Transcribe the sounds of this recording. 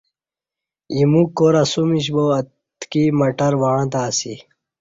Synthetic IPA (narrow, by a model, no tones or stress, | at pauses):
imukoɾasumiɕ̬boɐ | t̪kimɐʈɐɾwaːɻãt̪aːsi